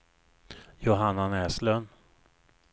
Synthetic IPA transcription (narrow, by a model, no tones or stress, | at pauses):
jʊɦanːanɛːslœn